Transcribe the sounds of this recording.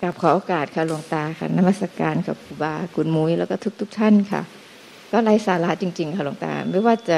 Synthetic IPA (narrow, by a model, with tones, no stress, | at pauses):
ka˨˩p̚kʰɔː˨˦ʔoː˧kaː˨˩t̪̚kʰa˧˩lu˧əŋt̪aː˧kʰa̰˧˩na˧mːa˧t̪sa˧kaː˧nkʰa˨˩p̚kʰu˧˩baː˧kʰu˧˦nmu˧˦jlɛː˦˥wkɔː˥˩t̪ʰu˦˥k̚t̪ʰu˦˥k̚t̪ʰa˧˥˩nkʰa̰˧˩ | kɔː˧˥˩la˧˥jsaː˨˦la˧˥t͡ɕi˧ŋt͡ɕi˧ŋkʰa˧˩lu˧ə˦ŋt̪a̰ː˧˩ma˧˥˩jwaː˧˩t͡ɕa˧˩